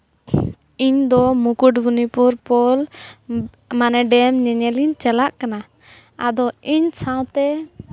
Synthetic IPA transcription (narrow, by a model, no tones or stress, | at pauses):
iɲd̪ɔmukuʈbunipuɾpɔl | manɛɖɛmɲɛɲɛliɲt͡ʃɛlaʔkana | a̰d̪ɔiɲsãw̃t̪ɛ